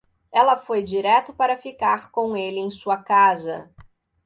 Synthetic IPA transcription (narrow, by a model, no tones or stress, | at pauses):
ɛlɐfojd͡ʒiɾɛt̪ʊpaɾɐfikaɾkõw̃elɪẽj̃suɐkazɐ